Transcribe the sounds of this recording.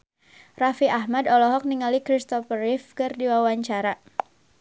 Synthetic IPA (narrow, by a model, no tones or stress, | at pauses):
rafiaɦmadɔlɔɦɔk̚niŋalikɾist̪ɔfəɾifkɨrdiwawaɲt͡ʃaɾa